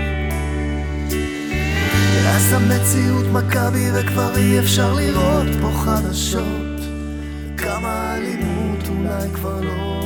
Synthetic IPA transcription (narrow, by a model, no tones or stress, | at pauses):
easamːet͡siut̪makabivekvaʁiefʃaʁliʁot̪poχadaʃo | t | kʰamaːlimut̪ulajkvaʁlo